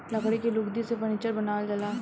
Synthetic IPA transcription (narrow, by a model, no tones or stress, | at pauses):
lɐkɽikelʊkd̪isepəñit͡ʃəɾbɐnaːld͡ʒɐlaː